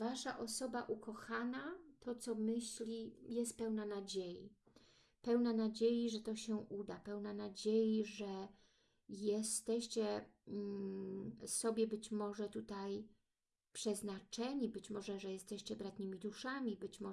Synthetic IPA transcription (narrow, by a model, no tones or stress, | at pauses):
vaʂaʔɔsɔbaʔukɔxanat̪ɔt̪sɔmɘɕlʲijɛs̬t̪̚pɛwnanad͡ʑejḭ | pɛwnanad͡ʑejiʐɛt̪ɔɕɛʔud̪apɛwnanad͡ʑejiʐɛ | jɛst̪ɛɕt͡ɕɛ | sɔbʲjɛbɘt͡ɕmɔʐɛt̪ut̪aj | pʂɛznat͡ʂɛɲibɘt͡ɕmɔʐɛʐɛjɛst̪ɛɕt͡ɕɛbɾat̪ɲʲɘmʲid̪uʂamʲibɘt͡ɕmɔ